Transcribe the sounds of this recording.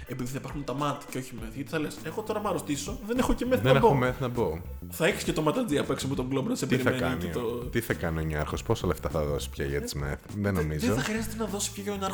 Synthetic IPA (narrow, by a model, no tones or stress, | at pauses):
e̞piðiθɐipɐɾxunt̪ɐmɐt̪i̥ceoçimeθʝɐt̪i̥θɐlese̞xot̪o̞ɾɐmɐɾost̪iso̞ðe̞ne̞xocemeθnɐneoomeθnɐbo | θɐeçi̥scet̪o̞mɐt̪ɐd͡ziɐpue̞ksɐpot̪oɡlobnsepeɾiɐmeɐnneit̪ot̪iθɐkɐnioɲɐɾxosposɐleft̪ɐθɐðosi̥pçɐ̰ʝɐt̪i̥zmḛθðenomizeoθɐxɾiɐzet̪enɐðo̞si̥pçoʝɐoɲɐɾ